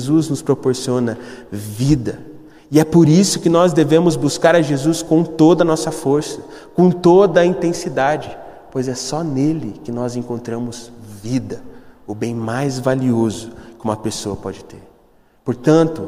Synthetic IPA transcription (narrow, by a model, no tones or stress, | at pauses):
zuznʊspɾopoɾsiõnɐvid̪ɐ | ɪɛpoɾisʊkɪnɔzd̪evẽmʊzbuskaɾɐʒezuskõw̃t̪od̪ɐnɔsɐfoɾsɐkõw̃t̪od̪ɐĩnt̪ẽsid̪ad͡ʒɪ | pojzɛsɔnelɪkɪnɔzẽŋkõnt̪ɾɐ̃mʊz̥vid̪ɐʊbẽj̃majzvaliozʊkɪumũmɐpesoɐpɔd͡ʒɪt̪eɾ | poɾt̪ɐ̃nt̪ʊ